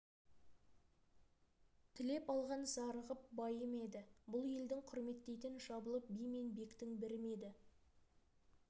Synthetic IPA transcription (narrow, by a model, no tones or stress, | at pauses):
t̪ʰɪle̞pɑlˠʁɑnzɑɾəʁəp̚bɑjəme̞d̪ɪbʊlˠje̞ld̪ɪŋqʰʊɾme̞t̪ːe̞jt̪ɪnʒɑbəlˠəp̚bijme̞nbe̞kt̪ɪŋbɪɾme̞d̪ɪ